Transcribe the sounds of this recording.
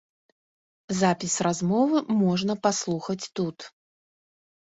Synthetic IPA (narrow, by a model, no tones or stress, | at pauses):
zapʲisrazmɔvɨmɔʐnɐpaslˠuxɐt͡sʲt̪ut̪